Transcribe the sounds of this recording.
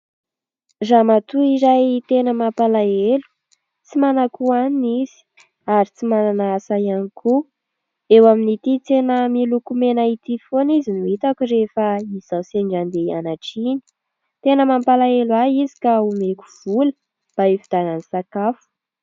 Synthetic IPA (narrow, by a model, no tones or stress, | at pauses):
zamat̪uiɾajt̪enəmampalaelu̥ | t͡simanakuaniniz̥i̥ | aɾit͡simananaasajanikʰu | ewaminit̪it͡senəmilukumenait̪ifonizinuit̪akuɾefaiz̥awseɳɖ͡ʐand̪ea̰naʈ͡ʂini̥ | t̪enəmampalaelwaizi̥kaumekuv̥ulə̥ | b̥aefid̪̥ananisakafu̥